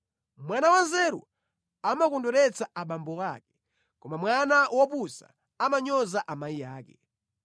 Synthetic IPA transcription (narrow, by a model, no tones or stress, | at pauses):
mwanawanzɛɾṵ | amakɔndɔɾɛt͡saʔaɓambɔkakɛ̥ | kɔmamwanawɔpusa̰ | amaɲɔzaʔamajijaːkɛ